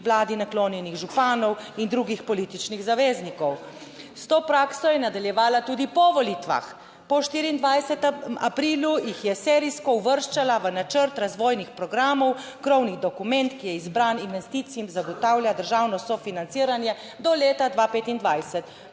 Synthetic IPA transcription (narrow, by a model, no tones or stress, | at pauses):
ʋlaːd̪inakloːnjɛniɣʒupaːnɔwind̪ɾuɡixpɔliːt̪it͡ʃniɣzaʋeːznikɔw | st̪oːpɾaːksɔjɛnad̪aljɛʋaːlat̪uːd̪ipɔʋɔlit̪ʋa̰x | pɔʃt̪iːɾiːnd̪ʋajsɛt̪ma̰pɾiːlujixjɛsɛːɾiskɔuʋəɾʃt͡ʃalaʋənat͡ʃəɾt̪ɾazʋɔːjnixpɾɔɡɾaːmɔwkɾɔwniɣd̪ɔkumɛnt̪kijɛizbɾaninʋɛst̪iːt̪siimzaɡɔt̪awljad̪əɾʒaːwnɔsɔfinant̪siːɾanjɛ | d̪ɔleːt̪ad̪ʋapeːt̪ind̪ʋajsɛt̪